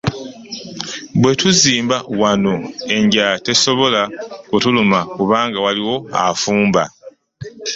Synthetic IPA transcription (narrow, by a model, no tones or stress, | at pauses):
bwe̞tuziːmbawano̞e̞ɲɟate̞so̞βo̞lakutulumakuβaːŋɡawaliwo̞a̰fuːmba̰